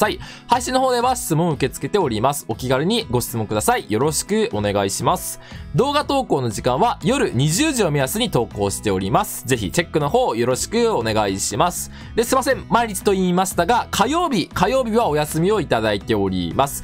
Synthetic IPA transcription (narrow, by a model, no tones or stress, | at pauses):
sai | haiɕĩnoɦo̞ːd̪e̞βaɕi̥t͡sɨmõ̞ɰ̃ɯ̟ke̞t͡sɨ̥ke̞t̪e̞o̞ɾʲimasɨ̥o̞kʲiɡaɾʲɯ̟ɲ̟iɡo̞ɕi̥t͡sɨmoŋkɯd̪asaijo̞ɾo̞ɕi̥kɯ̟o̞ne̞ɡaiɕimasɨ̥ | d̪o̞ːɡat̪o̞ːko̞ːno̞ʑikãɰ̃βajo̞ɾɯ̟ɲ̟iʑɨːʑio̞mʲijasɨɲ̟it̪o̞ːko̞ːɕi̥t̪e̞o̞ɾʲimasɨ̥ze̞çḭt͡ɕe̞kːɯ̟no̞ɦo̞ːjo̞ɾo̞ɕi̥kɯ̟o̞ne̞ɡaiɕimasɨ̥ | d̪e̞sɨmasẽ̞mmaiɾʲit͡sɨ̥t̪o̞iːmaɕi̥t̪aɡakʰajo̞ːbʲikajo̞ːbʲiβao̞jasɨmʲio̞it̪ad̪ait̪e̞o̞ɾʲḭmasɨ̥